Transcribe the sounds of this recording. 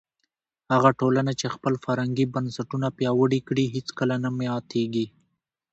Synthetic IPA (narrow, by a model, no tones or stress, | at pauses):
haɣaʈolanat͡ʃexpəlfaɾhaŋɡibansaʈunapjɑwəɽikɽiɦet͡skəlanamjɑt̪eɡi